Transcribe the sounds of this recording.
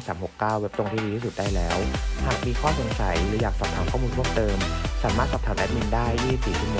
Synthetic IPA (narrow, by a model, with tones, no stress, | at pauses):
saː˩˦mho˨˩kːaː˥˩we˦˥pt̪o˧ŋt̪ʰiː˥di˧t̪ʰiː˥˩su˨˩t̪̚daː˥˩jlɛː˦˥whaː˨˩k̚miː˧kʰɔː˥˩so˩˦ŋsa˩˦jlɯː˩˦jaː˨˩k̚sɔː˨˩t̪ʰaː˨˩˦mkʰɔː˥˩muː˧nmʰu˥˩mt̪ɤː˧msaː˩˦maː˥˩t̪̚sɔː˨˩p̚t̪ʰːʔɛ˦˥mi˧ndaː˥˩jːiː˥˩i˨˩p̚siː˨˩sʰi˧˩m˨˩